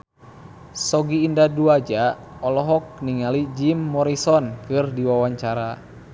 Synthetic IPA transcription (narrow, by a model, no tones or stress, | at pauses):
sɔɡiːndaduad͡ʒa | ɔlɔɦɔk̚niŋalid͡ʒimːɔɾisɔnkɨrdiwawaɲt͡ʃaɾa